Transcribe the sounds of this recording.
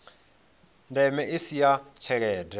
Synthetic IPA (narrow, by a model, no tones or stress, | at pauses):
ndɛmɛisijat͡ʃʰɛɺɛːdʱɛ